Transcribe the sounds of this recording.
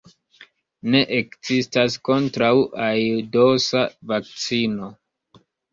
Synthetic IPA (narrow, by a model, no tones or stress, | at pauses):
ne̞ʔekzistasko̞ntɾawʔajdo̞savak̚t͡sino̞